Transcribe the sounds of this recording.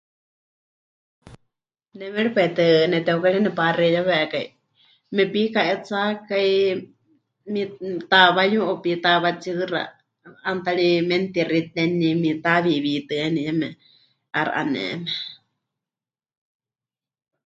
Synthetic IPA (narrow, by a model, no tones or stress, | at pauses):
nɛmɛɺipait̪ɨnɛt̪ɛukaɺɛnɛparɛjaβɛkai | mɛpikaʔɛt͡sakai | mit̪aβajũʔopit̪aβat͡ʃɨɾa̰ | ant̪aɺimɛnt̪iɾit̪ɛnimit̪aβiβit̪ɨɛniɛmɛ | aɾa̰ʔa̰nɛ̰mɛ